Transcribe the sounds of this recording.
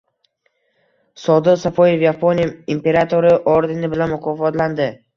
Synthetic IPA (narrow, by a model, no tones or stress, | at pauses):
sɒd̪ɨqsapojefjapʰoniimpe̞ɾat̪ʰo̞ɾɪʔoɾd̪ɪnɪbɪlanmʊqʰɒfɒt̪land̪ɪ